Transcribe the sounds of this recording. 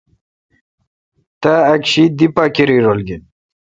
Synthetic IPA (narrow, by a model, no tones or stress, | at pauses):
t̪aːkɕid̪ipakiɾiɾolɡin